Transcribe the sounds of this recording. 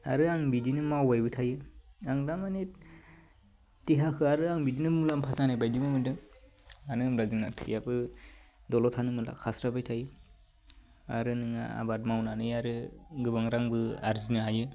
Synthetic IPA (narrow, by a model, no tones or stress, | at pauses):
a̰ɾɯaŋbidinɯmawajbɯtʰajɯaŋdamani | tiɦakʰɯaɾɯaŋbidinɯmulampʰazanajbajdimɯmɯdɯŋ | anɯmɾazɯŋnatʰɯjabɯdɔlɔtʰanɯmɯla̰kʰasɾabajtʰajɯ | a̰ɾɯnɯŋa̰a̰bat̚mawnanɯjaɾɯɡɯbaŋɾaŋbɯa̰ɾzinɯajɯ